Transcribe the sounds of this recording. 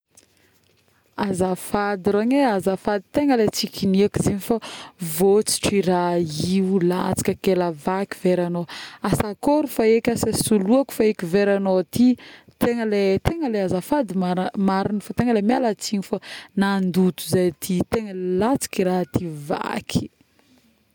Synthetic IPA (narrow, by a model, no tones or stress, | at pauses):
azafad̪ɾaɲeazafad̪it̪eŋəlet͡sikʰiniakiziɲifavot͡si̥ʈ͡ʂiraila̰t͡si̥kʲəkelavakʲi̥veɾanoasakoɾufaekʲasasuluaku̥faekʲiveɾanot̪it̪eŋəlet̪eŋəleazafad̪imaɾmaɾinifat̪eŋəlemalat͡siɲifanand̪ut̪u̥zajt̪ʰit̪eŋəlelat͡si̥kiɾaɦt̪iva̰kʰi̥